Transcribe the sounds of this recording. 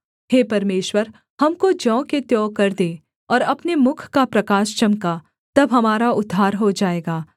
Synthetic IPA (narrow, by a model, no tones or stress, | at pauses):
heːpɐɾmeːʃwəɾ | hɐmkod͡ʒɔ̃ːket̪jɔːkɐɾd̪eː | ɔːɾɐpnemʊkʰkapɾɐkaːʃt͡ʃɐmka | t̪ɐbɦɐmaːɾaʊd̪ʱːaːɾɦod͡ʒaːeːɡaː